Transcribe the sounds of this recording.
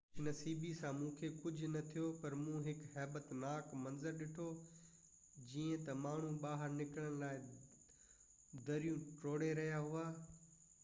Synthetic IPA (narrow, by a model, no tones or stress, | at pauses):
ɪnɐsiːbisãmũːkʰekʊd͡ʑʱʊnɐt̪ʰijopɐɾmũːɦɪkhɛːbət̪naːkmɐnzəɾɗɪʈʰo | d͡ʑiːə̃t̪ɐmaːɳ̤ũɓaːɦəɾnɪkəɽ̃əɽ̃laːɪ | d̪ɐɾijũʈoːɽeɾɐɦjaɦuaː